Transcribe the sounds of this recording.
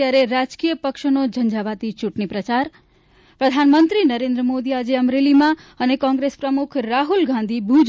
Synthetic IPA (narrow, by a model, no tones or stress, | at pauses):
jaɾeɾad͡ʒkijəpəkʃnod͡ʒə̃nd͡ʒaʋat̪it͡ʃuʈnipɾət͡ʃaɾ | pɾəd̪ʱanmənt̪ɾinəɾẽnd̪ɾəmod̪iad͡ʒeəmɾelimãənekɔ̃ŋɡɾespɾəmukʰɾaɦulɡʱãnd̪ʱibʱud͡ʒ